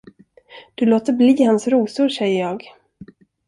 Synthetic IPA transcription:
d̪̥ɵloːt̪əɾbliːhansɾuːsʊɾʂɛjːəɾjɑːɡ

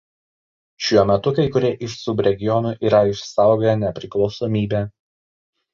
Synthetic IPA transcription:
ʃʲuɔmʲɛt̪ʊkɐɪkʊɾʲeʔɪʃsʊbɾʲɛɡʲɪjɔnuːˑʔiːɾɐɪʃsɑˑʊɡʲojɛnʲɛpʲɾʲɪklˠɒʊsɔːmʲiːbʲæː

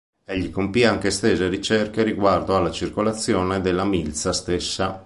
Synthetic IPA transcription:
ɛʎːikompiaŋk̟est̪ɛːzeɾit͡ʃɛrkeɾiɡward̪oalːat͡ʃirkolat̪sːjɔːned̪elːamilt̪sast̪esːa

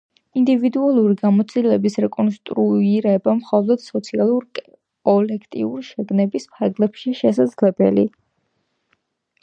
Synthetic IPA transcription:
ind̪ivid̪ualˠuɾiɡamɔt̪sʰilɛbisɾɛkʼɔnst̪ʼɾuiɾɛbamχɔlˠɔd̪̥sɔt̪sʰialˠuɾkʼ | kʼɔlɛkʰt̪ʼḭuɾiʃɛɡnɛbispʰaɾɡlɛpʃiʃɛsad̪zlɛbɛ̰lḭ

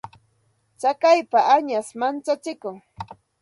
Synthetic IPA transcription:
t͡sakajpaaɲasmant͡sat͡ʃɪkʊŋ

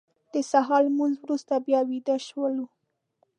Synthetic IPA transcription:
d̪̥əsaɦɑlmunzwɾust̪abjɑwid̪aʃwəlu

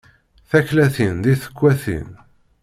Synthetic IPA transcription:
θæçlæθinðiθə̥kʷːæθḭn

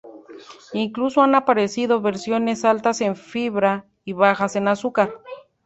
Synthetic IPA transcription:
iŋklusoanapaɾe̞siðo̞βe̞ɾsjo̞ne̞salt̪ase̞ɱfiβɾa | iβaxase̞nasukaɾ

